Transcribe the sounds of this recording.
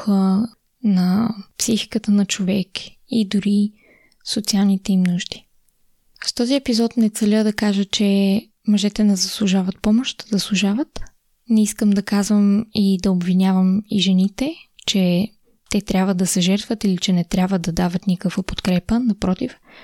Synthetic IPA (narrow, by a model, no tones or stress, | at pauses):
xə | nɐpsixi̥kət̪ənɐt͡ʃovɛk | id̪ʊɾi | sot̪sialˠnit̪ɛimnuʃd̪i̥ | st̪ɔziɛpizɔt̪nɛt̪sɛlʲəd̪ɐkaʒət͡ʃɛ | mɐʒɛt̪ɛnɛzɐslˠuʒavɐt̪̚pɔmoʃt̪zɐslˠʊʒavət̪ | nɛiskəmd̪ɐkazvəmid̪ɐobvinʲavəmiʒɛnit̪ɛt͡ʃɛ | t̪ɛt̪ɾʲabvəd̪ɐsɛʒɛɾt̪vət̪ilit͡ʃɛnɛt̪ɾʲjabvəd̪ɐd̪avət̪nikəkvəpo̥t̪kɾɛpənɐpɾɔt̪if